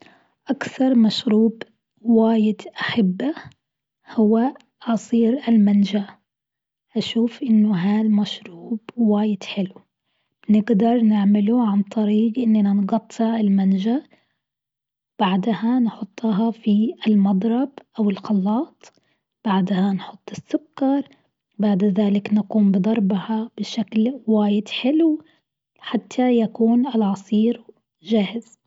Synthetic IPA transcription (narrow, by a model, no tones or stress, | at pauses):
ʔakθɑɾˤmaʃɾuːb | waːjɪd̪ʔaħɪbːa | hʊwːa | ʔɑsˤiːɾʔalmand͡ʒa | ʔaʃuːfʔɪnːʊɦaːlmaʃɾuːb̥waːjɪd̪ħɪlu | nɪɡd̪ɑɾˤnɪʕmɪlʊʕant̪ˤɑɾiːɡʔɪnːananɡɑt̪ˤːɑɪlmand͡ʒa | b̥aʕd̪hanħʊt̪ˤːɑɦɑfiɪlmɑd̪ˤɾˤɑbʔawɪlxɑlːɑːt̪ˤ | b̥aʕd̪hanħʊt̪ˤːɪsːʊkːɑɾˤ | baʕd̪ðaːlɪknaquːmbɨd̪ˤɑɾˤbhab̥ɪʃaklwaːjɪd̪ħɪlw | ħat̪ʰːajakuːnɪlʕɑsˤiːɾ | ʒahz̥